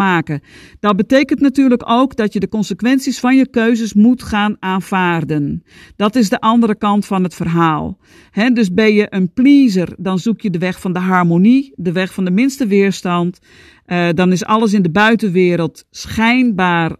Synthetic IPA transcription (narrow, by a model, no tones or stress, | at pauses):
aːkəd̥ɔt̚bəteːkəntnatyːrləkoːkdɔtjədəkɔnsəkʋɛnsisfɔnjəkøɥzəsmutxaːnaːnv̥aːrdən | dɔtɪzdəʔɑndəɾəkɑntfɔnətfərɦaːlˠ | hɛdøsbɪnjəʔənpliːzərdɔnzukjədəʋɛxfɔndəɦarmonidəʋɛxfɔndəmɪnstəʋɪːrstɑnt | dɔnɪsɑ̰lˠəs̬ɪndəbœɥtənʋɪːɾəlˠtsxɛjnbaːr